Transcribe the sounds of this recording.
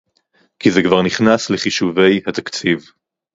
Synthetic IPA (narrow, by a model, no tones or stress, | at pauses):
kizekvaʁniχnasleχiʃuve̞jhat̪akt͡siv